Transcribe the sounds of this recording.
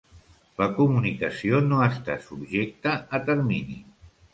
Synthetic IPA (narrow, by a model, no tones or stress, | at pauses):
ləkumunikəsionoəst̪a̰subʒek̚t̪əːt̪əɾminḭ